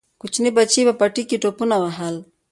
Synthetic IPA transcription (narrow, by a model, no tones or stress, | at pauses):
kut͡ʃinibat͡ʃiβapatikitɔpunawaɦala